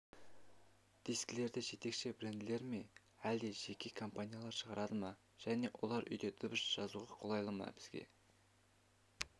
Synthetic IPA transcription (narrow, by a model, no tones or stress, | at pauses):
d̪̥iskle̞ɾd̪ɪʒe̞t̪e̞kʃɪbɪɾend̪ɪle̞ɾme̞ | æld̪e̞ʒe̞kʲʰe̞kʰo̞mpanʲijalˠɑɾʃəʁɑɾɑd̪əmɑ | ʒ̥æne̞wʔo̞̰lˠɑɾʔʏ̰jd̪e̞t̪ʰʊbəsʒ̥ɑzuʁɑqʰolˠɑjlˠəmɑ̰b̥ɪz̥ɡʲe̞̰